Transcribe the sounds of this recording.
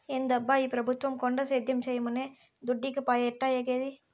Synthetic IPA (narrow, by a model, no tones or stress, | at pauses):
ɛnd̪ɐbːaːjipɪɾɐbɯt̪ːʋɐmkɔɳɖɐsɛːd̪jɐmsɛjɐmɯnːeː | d̪ʊɖːɪkːɯpaːjɛʈːaːjɛkeːði